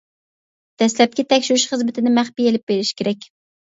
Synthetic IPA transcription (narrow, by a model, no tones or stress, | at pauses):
d̪̥ɛslɛp̚kʲɛt̪ʰɛkʲʃuɾyʃχəzmɪt̪ʰɪnɪmæχpijelɪp̚beɾɪʃkʲʰeɾɛkʲ